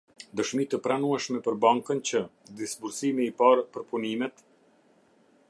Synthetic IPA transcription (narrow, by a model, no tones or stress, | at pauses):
d̪əʃmit̪əpɾanuɛʃmɛpəɾbaŋkənt͡ɕəd̪isbuɾsimiːpaɾpəɾpunimɛt̪